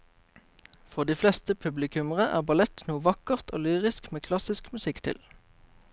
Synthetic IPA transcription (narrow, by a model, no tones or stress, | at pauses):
fɔʁd̪iːflɛst̪əpʰʉblɪkʰʉməʁəʔæ̰ːʁbɑlɛt̪nuːʋɑkəʁt̪ʰo̰ːlyːʁɪskmeːkʰlɑsɪskmʉsɪkt̪ʰɪ̰l